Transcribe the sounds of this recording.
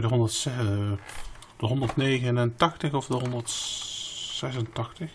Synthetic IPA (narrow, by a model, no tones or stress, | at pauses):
dəɦɔndərtsɛ | d̥əɦɔndətneːɣənəntɑxtəxɔfdəɦɔndərt | sɛs̬əntɑxtəx